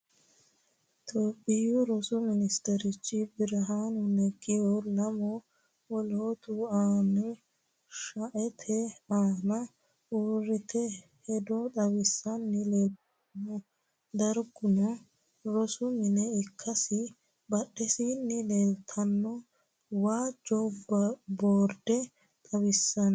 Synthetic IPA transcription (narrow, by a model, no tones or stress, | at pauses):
t̪ʰoːpʼːɪjʊɾɔsʊmɪnɪst̪ɛɾɪt͡ʃːɪbɪɾɐɦaːnʊnɛɡɪjɔlɐmɔ | wɔloːt̪ʊaːnʊ | ʃɐʔɛt̪ʰɛaːnɐ | uːrːɪt̪ʰɛ | hɛd̪ɔt̪ʼɐwɪsːɐnːɪleːlt̪̚ | ɐnɔ | d̪ɐɾɡʊnɔ | ɾɔsʊmɪnɛɪkʰːɐsɪ | bɐɗːɛsiːnːɪleːlt̪ʰɐnːɔ | waːd͡ʒɔbboːɾd̪ɛ | t̪ʼɐwɪsːɐn